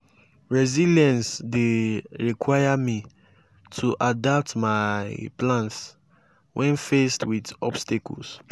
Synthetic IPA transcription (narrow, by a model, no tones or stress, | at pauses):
ɹɛziljãnsdeɹikʰwajami | tʰuʔadap̚tmaɪplãns | wʔɛ̃nfestwidɔ̰bstakɔ̰ls